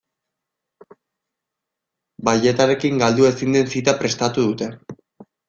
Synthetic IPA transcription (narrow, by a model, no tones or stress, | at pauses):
baʎe̞t̪aɾe̞kiŋɡald̪ue̞sind̪e̞nsit̪apɾe̞st̪at̪uðut̪e̞